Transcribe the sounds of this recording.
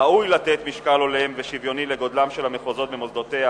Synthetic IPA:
aujlat̪et̪miʃkalo̞leemveʃivjo̞nileɡo̞d̪lamʃelhameχozo̞t̪bemo̞zd̪ot̪ea

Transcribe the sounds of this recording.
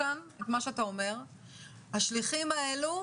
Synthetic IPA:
anetmaʃeatao̞me̞ʁ | haʃliχimaelu

